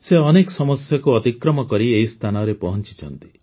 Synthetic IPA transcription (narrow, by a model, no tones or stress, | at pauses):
seɔnekɔsɔmɔsjakuɔt̪ikɾɔmɔkɔɾieɦist̪ʰanɔɾepɔɦɔnt͡ʃi̥t͡ʃʰɔnt̪i